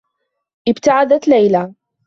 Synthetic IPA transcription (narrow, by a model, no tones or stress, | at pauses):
ʔɪbt̪aʕad̪at̪lajla